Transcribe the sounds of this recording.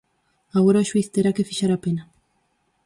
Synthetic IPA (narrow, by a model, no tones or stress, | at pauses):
aɣoɾaʃwiθt̪eɾakefiʃaɾapena